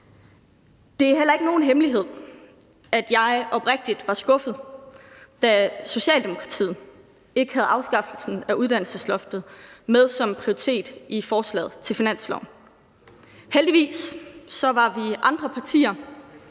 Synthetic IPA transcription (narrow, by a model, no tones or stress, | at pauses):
d̥e̝æɦel̰ɐe̝ɡ̥əno̝ːn̩ɦemliɦe̝ð̞̰ˠ | æd̥jɑ̈ɪʔɒ̽b̥ʁɛɡ̥̚d̥id̥ʋɑ̈sɡ̥ɔ̽fð̩ˠ | d̥æso̝ɕɛ̰ːld̥e̝mo̝kʰʁɑ̈t͡sʰḭːð̩ˠ | e̝ɡ̥ə̥hæð̞̩ˠɑ̈ʊsɡ̥ɑ̈fl̩sn̩æuð̞ˠd̥æn̰l̩səslɔfd̥ð̩ˠmeð̞ˠsɒ̽mpʰʁioit͡sʰe̝̰ːd̥ifɒːslɛ̰ːð̩ˠt͡sʰe̝lfinæn̰slɒ̰ʊ̰n | held̥iʋḭːsːɒ̽ʋɑ̈ʋiʔɑ̈nd̥ʁɐpʰɑ̈t͡sʰḭːɐ